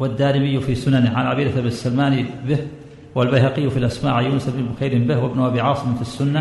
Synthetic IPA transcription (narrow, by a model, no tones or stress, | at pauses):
wad̪ːaːʔɪmɪjːʊfiːsʊnanɪʕalʕabiːd̪aʔabɪsːalmaːnibɪh | walbajhaqɪjːʊfilʔasmaːʕajːuːnʊsʔabnɪbʊxajɾɪmbɪhwɪbnʊʔabiːʕɑːsˤɪmfisːʊnːa